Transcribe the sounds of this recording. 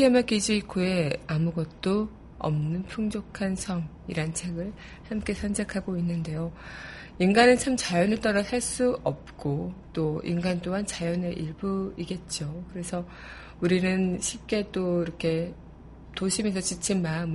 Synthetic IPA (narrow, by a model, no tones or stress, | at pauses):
piʌmak͈id͡ʑiikʰoe̞amuɡʌt̚t͈o | ʌ̰mnɯnpʰuŋd͡ʑokʰansʰʌŋ | ḭɾant͡ɕʰe̞ɡɯɭ | hamk͈e̞sʰʌnd͡ʑekʰaɡoinːɯnde̞jo | inɡanɯnt͡ɕʰamt͡ɕajʌnɯɭt͈ʌɾasʰaɭs͈uʌp̚k͈ot͈oḭnɡant͈oɦant͡ɕajʌne̞ʔiɭbuiɡe̞t̚t͡ɕ͈okɯɾe̞sʰʌ | uɾinɯnɕʰip̚k͈e̞t͈oiɾʌkʰe̞ | toɕʰimisʰʌt͡ɕit͡ɕʰimaɯm